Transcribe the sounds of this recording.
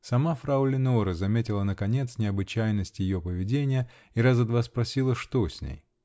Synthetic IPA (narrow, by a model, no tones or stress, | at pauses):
sɐmafɾaʊlʲɪnoɾəzɐmʲetʲɪlˠənəkɐnʲe̞t̪snʲɪɐbɨt͡ɕæjnəsʲtʲjɪjo̞pəvʲɪdʲenʲɪjə | iɾazɐd̪vaspɾɐsʲilˠəʂt̪osʲnʲḛj